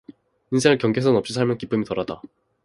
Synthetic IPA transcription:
insʰeŋɯɭkjʌŋɡesʰʌnʌp̚ɕ͈isʰaɭmjʌnkip͈ɯmitʌɾada

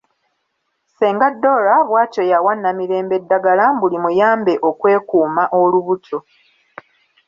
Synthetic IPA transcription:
seːŋɡadːo̞ɾaβwaːco̞jawanːamiɾe̞ːmbe̞dːaɡalambulimujaːmbe̞ʔo̞kwe̞ːkuːmaʔo̞luβutʰo

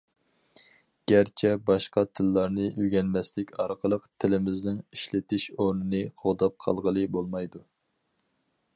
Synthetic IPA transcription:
ɡ̥ʲæɾt͡ʃʰɛbɑʃqɑt̪ʰɨlːɑɾnɨʔyɡʲɛnmɛslɪkʲʰɑɾqʰəlˠəqt̪ʰɪlɪmɪznɪŋiʃlɪt̪ɪʃoɾnɨnɨqʰoʁd̪ɑp̚qʰɑ̰lˠʁəlˠɨbolˠmɑjd̪u

